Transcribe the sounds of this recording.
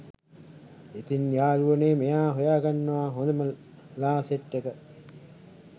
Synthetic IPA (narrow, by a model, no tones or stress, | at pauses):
et̪injaːluʋəneːmejaːɦojaːɡanːɐʋaːɦond̪ɐmə | laːseʈːekə